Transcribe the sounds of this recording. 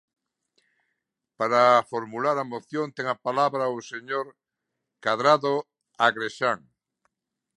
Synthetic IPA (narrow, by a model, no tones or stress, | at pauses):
paɾafoɾmulaɾamoθjõnt̪ɛŋapalaβɾaoseɲoɾ | kaðɾaðo | aɣɾeʃaŋ